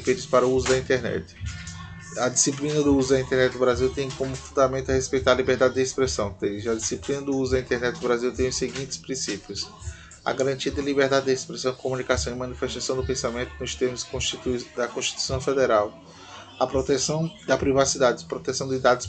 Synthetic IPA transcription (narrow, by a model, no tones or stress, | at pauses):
ped͡ʒʊspaɾɐʊuzʊd̪ɐĩnt̪ɛɾnɛ̰t̪ɪ̥ | ɐd̪isiplĩnɐd̪ʊuzʊd̪ɐĩnt̪eɾnɛt̪ɪd̪ʊbɾaziwt̪ẽj̃kõmʊfũnd̪amẽnt̪ɐhespejt̪aɾɐlibeɾd̪ad̪ɪd̪ɪespɾesɐ̃w̃d̪eʒɪɐd̪isiplĩnɐd̪ʊuzʊd̪ɐĩt̪eɾnɛt̪ɪd̪ʊbɾaziwt̪ẽj̃ʊseɡĩnt̪ɪ̥spɾĩsipijʊs | ɐ̰ɡaɾɐ̃nt͡ʃiɐd̪ɪlibeɾd̪ad̪ɪd̪ɪespɾesɐ̃w̃ɪkomũnikasɐ̃w̃ɪmɐ̃nifeʃt̪asɐ̃w̃d̪ʊpẽsamẽnt̪ʊ̥kõʊst̪eɾmʊskõʃt͡ʃit̪ud̪ɐkõʃt͡ʃi̥t̪u̥i̥sɐ̃w̃fed̪eɾaw | ɐpɾot̪ɛsɐ̃w̃d̪ɐpɾivasid̪ad̪ɪpɾot̪esɐ̃w̃d̪ɪd̪ad̪ʊs